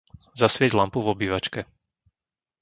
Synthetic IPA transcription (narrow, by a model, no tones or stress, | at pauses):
zasʋɪɛɟlampuvɔbiːʋat͡ʃkɛ